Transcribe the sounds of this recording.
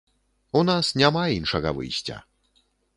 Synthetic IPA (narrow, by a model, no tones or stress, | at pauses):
unasnʲamainʂɐɣɐ̰vɨ̰jsʲt͡sʲɐ̰